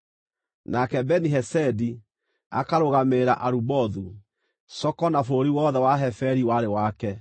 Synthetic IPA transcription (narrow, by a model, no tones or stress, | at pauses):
nakɛbɛniɦɛsɛdi | a̰kaɾoɣameɾaʔaɾubɔðu | sɔkɔnafoɾiwɔðɛwaɦɛfɛɾiwaɾewakɛ